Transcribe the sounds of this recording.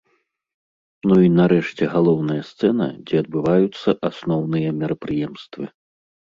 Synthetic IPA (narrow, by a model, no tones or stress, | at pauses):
nuinaɾɛʂt͡sʲɛɣalˠɔwnɐjɐst̪sɛnɐ̰d͡zʲɛɐd̪̚bɨvajut̪sːɐʔasnɔwnɨjɐmʲɛɾɐpɾɨjɛmst̪vɨ